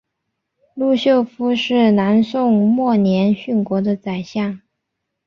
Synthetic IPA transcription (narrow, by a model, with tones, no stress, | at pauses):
lu˥˧ɕjo˥˩ʊfu˥ʂɻ̩˥˩na˧˥nsʊ˥˧ŋmwɔ˥˩njɛ˧˥nɕy˥˩nkwɔ˧˥d̪ə˧t͡sa˨˩ɪɕjɑ˥˩ŋ